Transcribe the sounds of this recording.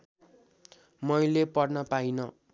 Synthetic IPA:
mʌjlepʌrnʌpajnʌ

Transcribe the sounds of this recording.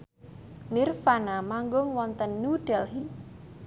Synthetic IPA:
nirfanamaŋɡʊŋwɔnt̪ənːuɖ̥ɛlhi

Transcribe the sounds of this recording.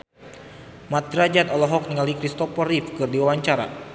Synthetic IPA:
mat̪̚d̪ɾad͡ʒat̪ɔlɔɦɔk̚niŋalikɾist̪ɔpɔɾifkɨrdiwawaɲt͡ʃaɾa̰

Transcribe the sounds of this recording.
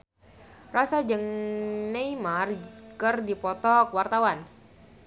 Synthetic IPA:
rasad͡ʒəŋneimarkərdipɔt̪ɔkwart̪awan

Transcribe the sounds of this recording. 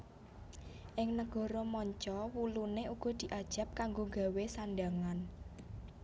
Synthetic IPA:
ʔɪŋnəɡ̥ɔ̤ɾɔmɔɲt͡ʃɔwuluneuɡ̥ɔ̤d̪̥i̤ʔad̥ʒ̥a̤p̚kaŋɡoɡa̤wesanɖaŋan

